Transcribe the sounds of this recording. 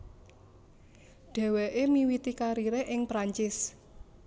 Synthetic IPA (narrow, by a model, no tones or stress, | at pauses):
ɖ̥ɛ̤weʔemiwit̪ikaɾiɾeʔɪŋpɾaɲt͡ʃɪs